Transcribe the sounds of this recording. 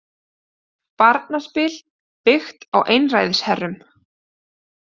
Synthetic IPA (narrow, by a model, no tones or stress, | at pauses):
paɾt̪naspɪːl | pɪxt̪awʔejnrajðɪshɛrːʏm